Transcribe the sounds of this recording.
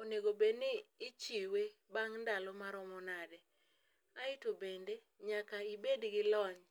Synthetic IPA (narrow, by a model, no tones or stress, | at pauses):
oneɡobenɪːt͡ʃiwe | baŋndalɔmaɾɔmɔnadɛ | aɪtobende | ɲakaibedɡɪlɔɲ